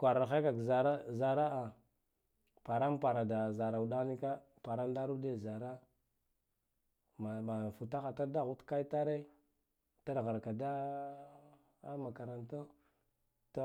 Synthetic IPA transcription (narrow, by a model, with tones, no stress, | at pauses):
kʷa˨ɾa˨xe˦ka˨ɡza˨ɾa˦za˨ɾa˦a˨ | pa˨ɾa˦mpa˨ɾa˨da˨za˨ɾa˨u˨da˦ɣni˦ka˦ | pa˨ɾa˦n˦da˦ɾu˦de˦˨za˨ɾa˦ | ma˨ba˨fu˨ta˦xa˨ta˦da˦ɣu˦tka˦i˦ta˦ɾe˦ | ta˦ɾɣa˨ɾka˨da˦ | a˦ma˨ka˨ɾa˨nto˦ | to˦